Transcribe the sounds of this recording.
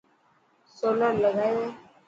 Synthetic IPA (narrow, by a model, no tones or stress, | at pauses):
soləɾləɡʱaje